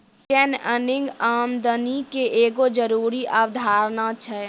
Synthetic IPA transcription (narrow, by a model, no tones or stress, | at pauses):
tɛnənɪ̃ŋɡaːmd̪ənikeʔeːɡod͡ʒəɾuːɾiʔaʋd̪ʱaːɾnat͡ʃʰɛ